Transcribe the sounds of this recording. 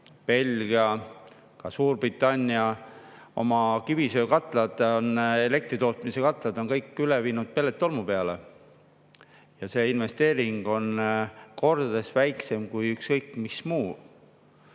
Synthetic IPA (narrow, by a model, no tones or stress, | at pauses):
pe̞lʲɡ̥iɑ | kɑsuːrbrit̪ːˑɑnʲːiɑo̞̰mɑkivisøːkɑt̪ːˑlɑd̪̥one̞le̞k̚t̪ɾit̪o̞ːt̪ˑmise̞kɑt̪ːˑlɑd̪o̞nkɤjkːyleviːnud̪̥̚pe̞lːet̪ːˑo̞lmupe̞ɑle̞ | jɑse̞ːinve̞st̪e̞ːɾiŋɡ̥o̞nko̞rd̪̥ɑd̪̥e̞svæjkse̞mkujykskɤjkːmismuː